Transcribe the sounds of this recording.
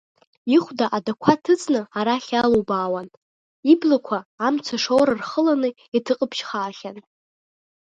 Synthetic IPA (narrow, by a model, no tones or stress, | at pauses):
iχʷdaʔadakʷʰatʰɨt͡sʼnɨaɾaχʲalobaːwan | iblakʷʰaːmt͡sʷʰaʂowɾarχəlanɨ | itʰɨqʼəpʰʃχaːχʲan